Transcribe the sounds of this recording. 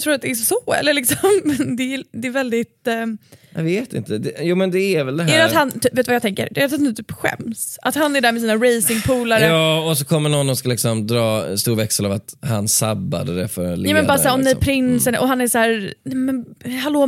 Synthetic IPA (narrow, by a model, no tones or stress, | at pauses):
t̪ʰɾuːɾat̪̚d̪ɛɛsɔɛ̰lːəɭɪksɔmːɛnd̪ɛæd̪ɛːɾvɛld̪ɪt̪ | javeːt̪ɪ̰nt̪əd̪ɛjuːmɛnd̪ɛæɾvɛld̪ɛɛɾɛat̪hant̪yːpːveːt̪vajɑːt̪ʰɛŋkə̰ɾd̪ɛt̪ʊt̪d̪ɛt̪ʰyːpɧɛ̰msʔat̪hanːæɖæːɾmɛsiːnaɾejsɪŋpʰuːlaɾjəɑːɔsɔkʰɔmːənɔnːɔskalɪksɔmd̪ɾɑːst̪uːɾvɛksəlavat̪hansa̰bːa̰d̪əd̪ɛfœɾljuːmɛnbɑːɾasæːɾɔmnɛpʰɾɪnsənʔɔɦanæɾsæːɾnɛmɛnɦaloː